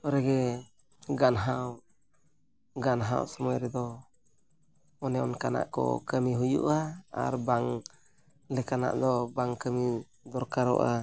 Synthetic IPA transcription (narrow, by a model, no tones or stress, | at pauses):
ɔɾɛɡɛ | ɡanɦaw | ɡanɦa̰wsɔmɔjɾɛd̪ɔ | ɔnɛɔ̰nkana̰ʔkɔ̰kəmiɦujṵʔaa̰ɾbaŋ | lɛkana̰ʔd̪ɔbaŋkəmi | d̪ɔɾkaɾɔ̰ʔa